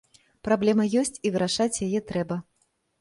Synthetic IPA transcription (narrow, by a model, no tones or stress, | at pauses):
pɾablʲɛmɐjɔsʲt͡sʲivɨɾaʂat͡sʲjajɛt̪ɾɛbɐ